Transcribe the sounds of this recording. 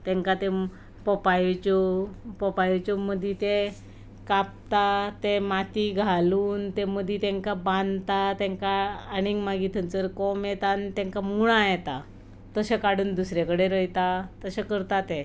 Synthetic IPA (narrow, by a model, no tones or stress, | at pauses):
t̪ɛ̃ŋkat̪e | pɔpajt͡ɕɔpɔpajt͡ɕɔməd̪ʱit̪e | kap̚t̪at̪emat̪iɡʱaluːnt̪eməd̪ʱit̪ɛ̃ŋkabãnd̪t̪at̪ɛ̃ŋkaːɽ̃iŋɡmaɡit̪ʰənt͡səɾkɔmjet̪ant̪ɛ̃ŋkamuɭ̃ajɛt̪a | t̪əɕekaɽ̤uːnd̪usɾekəɽeɾəjt̪at̪əɕekəɾt̪at̪ẽ